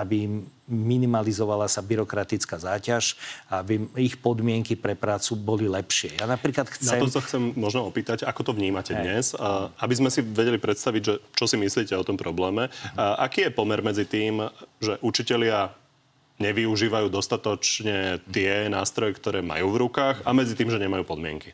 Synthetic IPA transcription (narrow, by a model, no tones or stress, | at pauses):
abim | minimalizɔʋalasabiɾɔkɾat̪it͡skaːzaːcaʃaabiixpɔd̪mɪɛŋkipɾɛpɾaːt͡subɔlilɛpʃɪɛjanapɾiːklat̪xt͡snaɛɔsaxt͡sɛmːɔʒnɔɔpiːt̪acakɔt̪ɔvɲiːmacɛd̪ɲɛsabizmɛsiʋɛɟɛlipɾɛt̪st̪aʋiɟʒɛt͡ʃɔsimisliːcɛɔt̪ɔmpɾɔblɛːmɛʔakiːjɛpɔmɛɾmɛd͡zit̪iːmʒɛʔut͡ʃicɛlɪa | ɲɛʋiuʒiːʋajuːd̪ɔst̪at̪ɔt͡ʃɲɛt̪ɪɛnaːst̪ɾɔjɛkt̪ɔɾɛːma̰juːvɾukaːɣamɛd͡zit̪iːmʒɛɲɛmajuːpɔd̪mɪɛ̰ŋki